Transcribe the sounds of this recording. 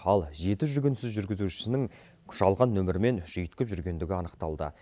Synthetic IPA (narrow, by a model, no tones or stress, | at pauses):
ɑlˠʒe̞t̪ɪʒʏɡʲɪnsɪzʒʏɾɡʲɪzuʃɪ̥sɪnɪŋ | kʲʰʏ̥ʃɑlˠʁɑnːɵmɪɾɪme̞nʒ̥ijət̪kʲɪpʒʏɾɡʲe̞nd̪ɪɡʲɪɑnəqt̪ɑlˠd̪ə̰